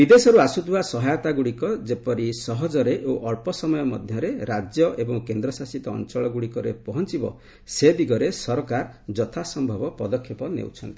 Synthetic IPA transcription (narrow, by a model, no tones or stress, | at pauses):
bid̪esɔɾuasut̪ʰuasɔɦajɔt̪aɡuɽikɔd͡ʒepɔɾisɔɦɔd͡ʒɔɾeʔoʔɔɭpɔsɔmɔjɔmɔ̰d̪ʱjɔɾeɾad͡ʒjɔʔebɔŋkend̪ɾɔsasit̪ɔ̰ːnt͡ʃɔɭɔɡuɽikɔɾḛpɔɦɔnt͡ʃibɔ̰ | sed̪iɡɔɾesɔɾɔkaɾd͡ʒɔt̪ʰasɔmbʱɔbɔpɔd̪ɔkʰːepɔnḛwt͡ʃʰɔnt̪i